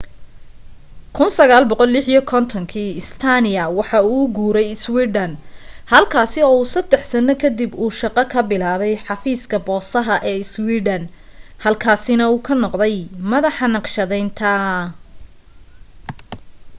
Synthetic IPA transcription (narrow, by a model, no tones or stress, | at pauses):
kʰʊnsɐɣaːlbɔqɔlːɪħijɔkʰɔnt̪ʰɔŋkʰiːɪst̪ʰanɪjɐwɑħɑuːɡuːɾɛjɪswiːɖɐnhɐlkʰaːsɪɔːuːsɐd̪ɛħsɐnɐkʰɐd̪ibuːʃɑqɑkʰɐbɪlaːβɛjħɑfiːskʰɐbɔːsɐɦɐʔɛːɪswiːɖɐnhɐlkʰaːsɪnɐuːkʰɐnɔqd̪ɛjmɐðɑħɑnɑqʃɐðɛjnt̪ʰɐ